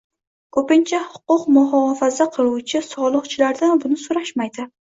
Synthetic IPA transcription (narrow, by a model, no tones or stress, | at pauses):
kʰɵpɪnt͡ʃʰahʊ̥qʊqmʊɦɒfazaqʰɨlˠuwt͡ʃʰɪsɒlˠɨqt͡ʃʰɪlaɾd̪anbʊnɪsoɾaʃmajd̪ɪ